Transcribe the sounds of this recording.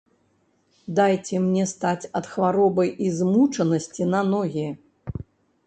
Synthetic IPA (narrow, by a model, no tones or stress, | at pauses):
d̪ajt͡sʲɛmnʲɛst̪at͡sʲɐt̪xvaɾɔbɐjizmut͡ʂɐnɐsʲt͡sʲinɐnɔɣʲɛ